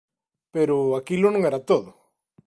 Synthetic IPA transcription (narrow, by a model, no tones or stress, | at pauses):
peɾoakilonõŋeɾat̪oðo